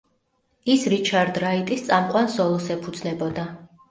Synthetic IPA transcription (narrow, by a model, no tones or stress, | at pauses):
isɾit͡ʃʰaɾd̪ɾait̪ʼist̪sʼamqʼwansɔlˠɔsɛpʰud̪znɛbɔd̪a